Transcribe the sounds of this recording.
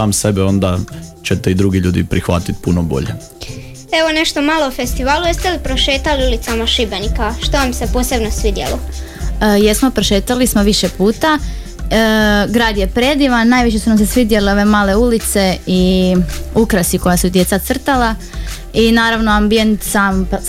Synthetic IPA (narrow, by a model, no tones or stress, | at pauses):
aːmsebeo̞nd̪at͡ɕet̪eid̪ɾuɡiʎuːd̪ipɾixʋa̰t̪it̪punobo̞̰ʎḛ | eʋone̞ʃt̪o̞malˠofest̪iʋaːlujest̪elipɾo̞ʃeːt̪aliulit̪samaʃibenikaʃt̪oʋamse̞poːsebnosʋid̪jḛlo | jesmo̞pɾoʃe̞ːt̪alismoʋiʃepuːt̪a | ɡɾaːd̪jepɾed̪iʋanaːjʋit͡ɕesunamsesʋid̪jeleo̞ʋemaːle̞ulit̪se̞i | ukɾasiko̞jasud̪je̞t̪sat̪sr̩t̪ala | inaːɾaʋno̞ambije̞nt̪saːmp